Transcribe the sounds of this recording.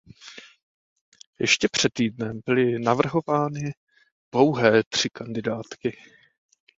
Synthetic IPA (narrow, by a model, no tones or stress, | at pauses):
jɛ̰ʃcɛpr̝̥ɛt̪ːiːdnɛmbɪlɪnavr̩ɦo̞vaːnɪ̥ | lo̞wɦɛːt̪r̝̥ɪkandɪdaːt̪kɪ